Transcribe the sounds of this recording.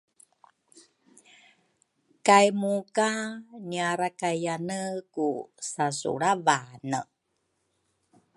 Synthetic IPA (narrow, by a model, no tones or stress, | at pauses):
kajmukaniaɾakajanəkusasṵɭavanə